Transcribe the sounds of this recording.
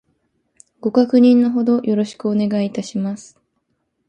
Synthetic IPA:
ɡ̥o̞kakɯ̟ɲ̟ĩnːo̞ɦo̞d̪o̞jʔo̞ɾo̞ɕi̥kɯ̟one̞ɡaiːt̪aɕimasɨ̥

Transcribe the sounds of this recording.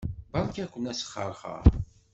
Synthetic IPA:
bɑɾˤkækʷːənæsə̥χːə̰ɾˤχə̰ɾ

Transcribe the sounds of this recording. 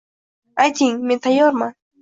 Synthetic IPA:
at͡ʃɪŋmɪt̪ʰajoɾma

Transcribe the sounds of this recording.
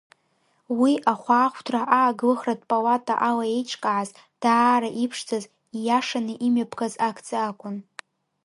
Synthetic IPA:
wiʔaχʷaːχʷʰtʰraʔaːɡlɨχradpʼalatʼa̰ʔalaejt͡ʃʰʼkʼaʕaz | d̥aːɾaʔipʰʂd͡zaz | ijaʂanɨʔimɥapʰɡazakʰt͡sʼɨakʷʼʊn

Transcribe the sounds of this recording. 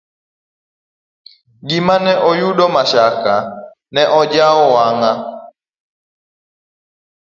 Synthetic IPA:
ɡimanɛʔɔjuɗɔmaʃaka | nɛʔɔd͡ʒaɔwaŋa

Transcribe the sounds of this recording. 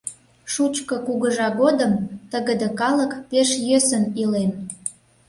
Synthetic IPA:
ʃut͡ɕkəkuɣəʒɑɣod̪əmt̪əɣəd̪əkɑləkpeʃjøsənilen

